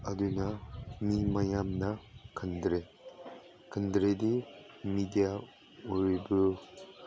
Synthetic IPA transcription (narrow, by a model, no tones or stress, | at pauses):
adɯnamimajamnakʰɯnd̪ɾe | kʰɯndɾedi | midija | uɾibɯ